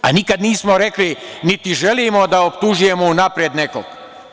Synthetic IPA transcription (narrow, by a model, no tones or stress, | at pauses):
a̰nikad̪niːsmoɾe̞klinit̪iʒe̞limo̞d̪aopt̪uʒuje̞mounapɾjed̪neko̰ɡ